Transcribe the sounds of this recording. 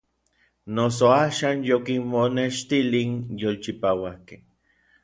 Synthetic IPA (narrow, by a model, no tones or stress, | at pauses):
nos̬oaːʃaːnjokinmoneʃt̪ilinjolt͡ʃipawakeh